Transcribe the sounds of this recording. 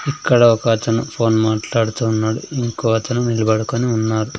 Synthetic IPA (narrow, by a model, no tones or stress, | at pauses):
ikːɐɽɐɔkɐɐt͡ʃɐnɐpʰo̞ːnmaːʈlaːɽut̪uːnːaːɽuiŋkoːɐt͡ʃɐnɐnilɐbɐɽukoniunːaːɾu